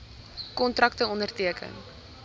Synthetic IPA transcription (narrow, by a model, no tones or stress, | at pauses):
kɔntrɐktəɔndərtiəkʰə̰n